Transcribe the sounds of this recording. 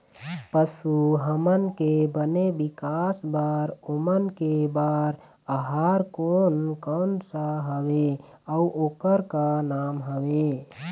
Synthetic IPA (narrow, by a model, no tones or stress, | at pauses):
pəsuɦəmənkebənebikasbaɾomənkebaːɾ | əɦaːɾkonkənsəɦəwe | əuʔoːkəɾkanaːmɦəwe